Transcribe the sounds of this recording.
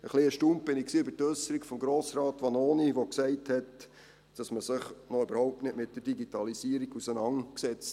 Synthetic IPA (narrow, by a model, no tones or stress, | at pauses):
əχliəʃtump̚b̥ɪnɪksiːøbəɾtøsəɾikfɔmɡɾoːsɾɑːtʋɑnoːniʋoksɛɪthɛt | d̥ɑsməsɪχnɔʏbəɾhɔʊp̚tnɪtmɪt̚d̥əɾd̥iɡitɑlisiːɾiɡusənɑnksɛt͡st